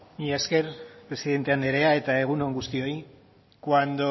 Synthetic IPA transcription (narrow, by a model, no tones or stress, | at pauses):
iaske̞ɾpɾe̞siðe̞nt̪e̞ane̞ɾe̞ae̞t̪ae̞ɣ̞unoŋɡust̪io̞i | kwand̪o̞